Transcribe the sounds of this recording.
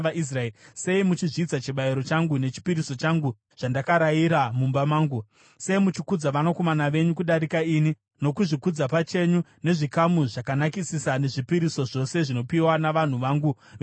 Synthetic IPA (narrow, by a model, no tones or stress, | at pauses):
is̬raeise̞imut͡ʃiʐiːt͡sat͡ʃiɓajiɾo̞t͡ʃaŋɡune̞t͡ʃi̥piɾiso̞t͡ʃaŋɡu | ʐ̥andakaɾajiɾamumbamaːŋɡu | se̞imut͡ʃikud͡zaʋanoko̞manaʋe̞ɲukuɗaɾikaini | no̞kuʐikud͡zapat͡ʃe̞ɲune̞ʐikamuʐakanakisisane̞ʐipiɾiso̞ʐo̞se̞ʐino̞piwanaʋan̤uʋaŋɡuʋe